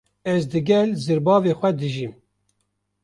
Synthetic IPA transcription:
ɛzd̪ɨɡɛlzɨɾbɑːveːxʷɛd̪ɨʒim

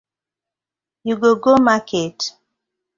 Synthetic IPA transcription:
juɡoɡomaket

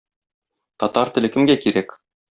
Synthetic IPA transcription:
t̪ɒt̪ɑɾt̪ɘ̆lɘ̆kɘ̆mɡækiɾæk

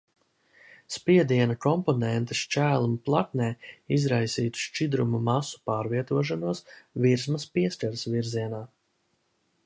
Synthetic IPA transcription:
spiɛd̪iɛnɐkɔmpɔnɛnt̪e̥ʃt͡ʃæːlˠumplˠaknɛːizɾajsiːt̪u̥ʃt͡ʃid̪ɾumumasu̥paːɾviɛt̪uɔʃ̬anuɔsviɾsmɐspiɛskaɾsviɾziɛnaː

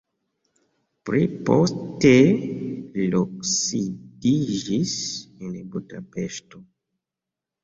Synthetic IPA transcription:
pɾipo̰ste | loksidiʒisenebudapeʃto

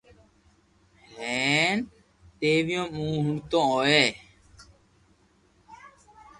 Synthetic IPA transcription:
ɦheːn | t̪eːʋɪjõːmũːɦʊɳɖt̪õːoːeː

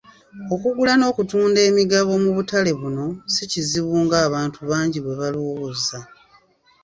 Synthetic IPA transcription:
o̞kuɡulano̞ːkutuːnde̞ːmiɡaβo̞muβutale̞βuno̞siciziβuːŋɡaːβaːntʰuβaːɲɟiβwe̞βaloːɣoza

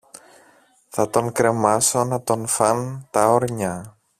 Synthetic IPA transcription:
θɐt̪o̞ŋkɾe̞mɐso̞nɐt̪o̞nfɐnt̪ɐoɾɲɐ

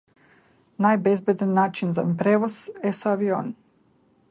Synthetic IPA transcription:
najbezbed̪anːaːt͡ʃinza̰pɾeːʋoz̥esaʋio̰ːn

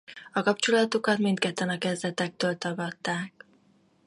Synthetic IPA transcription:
ɒkɒpt͡ʃolɒt̪okɒt̪mint̪kɛt̪ːɛnɒkɛzd̪ɛt̪ɛk̚t̪øːlt̪ɒɡɒt̪ːaːk̚

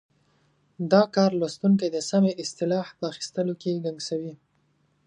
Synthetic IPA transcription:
d̪ɑkɑɾlwast̪uŋk̬ajd̪əsameɪst̪ɪlɑhpəaxi̥st̪əlokeɡaŋɡsawi

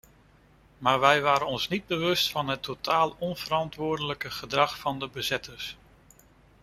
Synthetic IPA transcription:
maːɹʋɛjʋaːɾənɔnsnid̚bəʋɵstfɑnɦətːotaːlˠɔnv̥əɾɑntʋʊːɹdələkəχədrɑχfɑndəbəzɪtʰəɹs

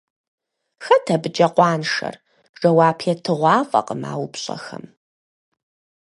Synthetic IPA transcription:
xɐtʰɐbɨd͡ʒʼɐqʷɑːnʂɐ̰r | ʐɐwɑːpʰɛtʰɨʁʷɑːfʼɐ̰qəma̰ːwʊpɕʼɐ̰xɐ̰m

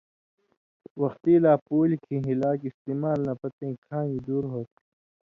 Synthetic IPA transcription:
wɐxt̪iːlaːpuːlikʰĩɦilaːkist̪iːmaːlnɐpɐt̪ẽːkʰãːid̪uːɾɦoːt̪̚

